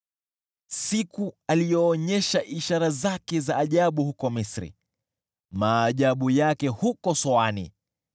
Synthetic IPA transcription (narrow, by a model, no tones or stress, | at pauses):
sikualijɔːɲɛʃaʔiʃaɾazakɛzaːʄaɓuhukɔmisɾḭ | maːʄaɓujakɛhukɔsɔanḭ